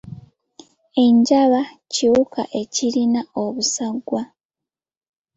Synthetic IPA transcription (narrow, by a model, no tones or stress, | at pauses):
e̞ɲɟaβa | ciwuka̰ʔe̞ciɾinao̞βusaɡwa